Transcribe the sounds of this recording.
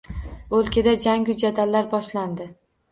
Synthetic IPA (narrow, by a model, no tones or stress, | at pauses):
ɵlˠkʲʰɪd̪ad͡ʒaŋɡʲʊd͡ʒad̪alːaɾbɒʃland̪ɪ